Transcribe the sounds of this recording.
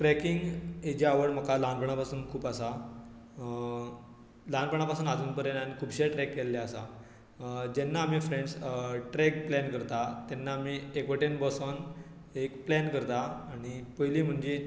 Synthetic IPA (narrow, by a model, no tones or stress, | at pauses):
ʈɾɛkiŋɡed͡ʑaaʋəɽm̤əkʰalãnpəɳ̃apasuːnkʰuːpasa | lãnpəɳ̃apasuːnad͡zuːnpəɾenanikʰuːbɕeʈɾɛkːelːjaasa̰ | d͡ʑɛnːaːmifɾẽɳɖsʈɾɛk̚plɛnkəɾt̪at̪ɛnːaːmiekʋəʈenbɔsɔn | ekplænkəɾt̪aːɽ̃ipəjliːm̤əɳd͡ʑe